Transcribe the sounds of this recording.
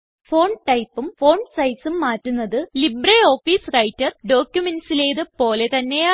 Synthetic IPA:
fo̞ːɳʈɐjpːumfo̞ːɳsɐjsumːaːtːunːɐðɨlibreo̞ːfiːsrɐjtːɐrɖo̞ːkʲjumensile̞ːðɨpo̞ːle̞t̪ɐnːe̞ja

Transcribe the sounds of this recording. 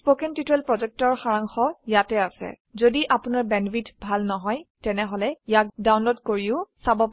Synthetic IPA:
spokɛntitɛlpɹɔzɛk̚tɔɹxaɹaŋxɔjatɛasɛ̰ | zodiʔapunaɹbɛnbʱitbʱalnɔɦɔjtɛnɛɦɔlɛjak̚dawnlodkoɹiʊsabɔp

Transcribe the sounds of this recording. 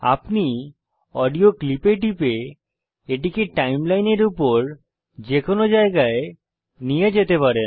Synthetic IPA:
a̰pni | ɔɖioklipeʈipe | eʈ̬ikeʈʈajmlajneɾupoɾ | d͡ʑekonod͡ʑaeɡae | nijed͡ʑet̪epaɾen

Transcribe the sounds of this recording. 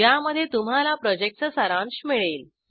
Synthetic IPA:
jaməd̪ʱːjet̪um̤alapɾɔd͡ʑek̚ʈt͡səsəɾãnɕmiɭel

